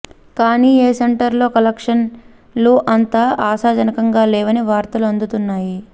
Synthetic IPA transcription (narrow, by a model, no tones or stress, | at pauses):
kaːniːeːseɳʈɐɾlo̞ːkɐlɐkʂɐn | luʔɐnt̪aʔaːsaːd͡ʒɐnɐkɐŋɡaːlɛːʋɐniʋaːɾt̪ɐluɐnd̪ut̪unːaːji